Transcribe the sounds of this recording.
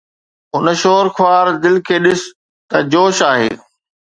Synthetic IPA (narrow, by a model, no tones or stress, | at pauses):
ʊnəʃoːɾxʰwaːɾd̪ɪlkʰeːɗɪs | t̪ɐd͡ʑoːʃaːɦḛː